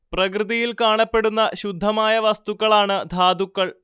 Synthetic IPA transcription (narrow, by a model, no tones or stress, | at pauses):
prɐkrɨðijilkaːɳɐpːe̞ɽunːɐɕud̪ʱːɐmaːjɐʋɐst̪ukːɐɭaːɳɨd̪ʱaːd̪ukːɐɭ